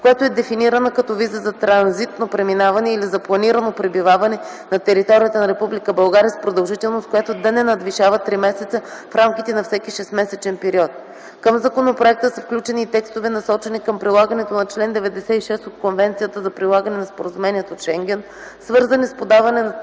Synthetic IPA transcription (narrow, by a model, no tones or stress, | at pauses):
kojɛt̪oɛd̪ɛfiniɾənokɐt̪ɔvizəzɐt̪ɾɐnzit̪nopɾɛminavɐnɛilizɐplˠɐniɾənopɾɛbivavɐnɛ | nɐt̪ɛɾit̪ɔɾijət̪ənɐɾɛpublikəbɐlˠɡaɾiəspɾod̪ɐlˠʒit̪ɛlˠnost̪kojɛt̪od̪ɐnɛnɐd̪viʃavɐt̪ːɾimɛsɛt̪səfɾamkʲit̪ɛnɐfsɛkʲiʃɛsmɛsɛt͡ʃɛnpɛɾiɔt̪̚ | kəmzɐkonopɾoɛk̚t̪əsəfklʲut͡ʃɛniːt̪ɛkst̪ovɛnɐsɔt͡ʃɛnikəmpɾilˠaɡənɛt̪onɐt͡ʃlɛnd̪ɛvɛd̪ɛsɛiʃɛst̪ot̪̚konvɛnt̪sijət̪əzɐpɾilˠaɡɐnɛnɐspoɾəzumɛniɛt̪oʃɛŋɡʲɛn | svɤɾzənispod̪avɐnɛnɐ